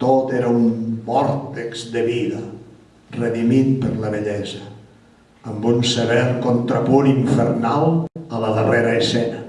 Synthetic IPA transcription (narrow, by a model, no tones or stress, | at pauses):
t̪ot̪eɾəumbɔɾt̪ekzd̪əβiðə | rəðimit̪̚pəɾləβəʎɛzəː | mbunseβɛɾkont̪ɾəpuɾiɱfəɾnalˠələðəreɾəːsɛnə